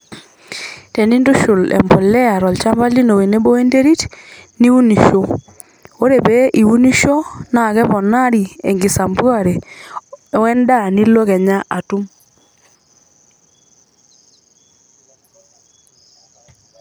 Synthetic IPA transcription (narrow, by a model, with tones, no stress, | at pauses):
tɛ˨ni˦ndu˦ʃu˨lɛ̰˨mbɔ˨lɛ˦a˨ɾɔ˨lt͡ʃa˦mba˦li˦no˨we˨ne˦bɔ˦e˦nde˦ɾi˦tni˦wu˦ni˨ʃo˨ | o˦ɾe˨βɛ˦ʔi˨wu˦ni˦ʃɔ˦na˨ɣɛ˦βɔ˨na˦ɾi˨e˨ŋɡi˨sa˨mbwɔ˦˨ɾɛ˨˦ | wɛ˦nda˦˨ni˦lo˦ɣɛ˨ɲa˦ʔa˨tu˦m